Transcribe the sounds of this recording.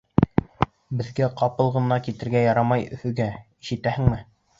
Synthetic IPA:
bɘ̆ðɡæqɑpɤlˠʁɤ̆nɑkit̪ɘ̆ɾɡæjɑɾɑmɑjɵ̆fɵ̆ɡæiʃɘ̆t̪æhɘ̆ŋmɘ

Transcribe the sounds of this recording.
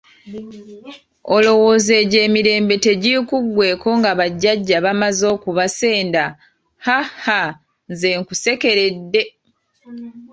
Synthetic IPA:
olo̞wo̞ːze̞ːɟe̞ːmiɾe̞ːmbe̞te̞ɟikuɡwe̞ːko̞ŋɡaβaɟːaɟːaβamazo̞ːkuβase̞ːnda | haha | nze̞ːŋkuse̞ke̞ɾe̞dːe̞

